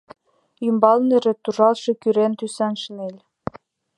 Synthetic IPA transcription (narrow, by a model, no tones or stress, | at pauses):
ymbɑlnĕɾĕt̪uʒɑlʃɤ̆kyɾent̪ysɑnʃənelʲ